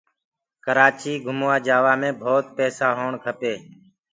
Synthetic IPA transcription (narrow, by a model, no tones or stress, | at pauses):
kəɾaːt͡ʃiːɡʱʊmːaːd͡ʒaːʋaːmẽːbʱoːt̪̚pɛːsaːɦoːɳkʰəpeː